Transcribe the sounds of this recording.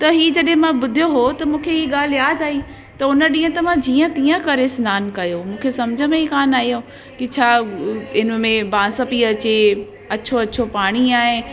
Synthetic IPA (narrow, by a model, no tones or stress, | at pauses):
t̪ɐɦiːd͡ʑɐɗɦẽmãɓʊd̪ʱijoɦot̪ɐmũːkʰeɦiːɠaːl̤jaːd̪ʱaːɦiː | t̪ɐʊnəɗĩːə̃t̪ɐmãd͡ʑiːə̃t̪iːə̃kɐɾesnaːnkɐjomũːkʰesɐmd͡ʑʱəmẽiːkaːnaːɦijo | kɪt͡ɕʰaːɪnə̆mẽbãːsəpiɐt͡ɕe | ɐt͡ɕʰoɐt͡ɕʰopaːɽ̃iaːɦɪ̃